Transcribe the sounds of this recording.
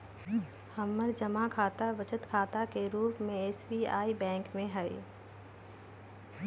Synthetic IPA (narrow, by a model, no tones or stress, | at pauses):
hɐmːəɾd͡ʒəmakʰaːt̪aʋət͡ʃət̪kʰaːt̪akeɾuːpmẽeːsbia̰ːibɛ̃ːŋkmẽɦɛɪ